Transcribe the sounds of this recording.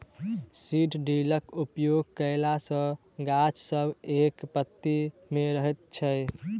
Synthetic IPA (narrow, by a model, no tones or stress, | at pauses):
siʈʰɖiləkupjoɡ̚kəɪlasə̃ | ɡat͡ʃsəbekpət̪ːimeɾəɦɛt̪̚t͡ʃʰəj